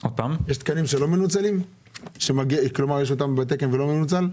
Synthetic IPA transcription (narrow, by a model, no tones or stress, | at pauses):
ot̪amjeʃt̪kanimʃelo̞me̞nut͡salim | ʃemaɡiklomaʁjeʃot̪ambet̪̬ekenvelo̞me̞nut͡sal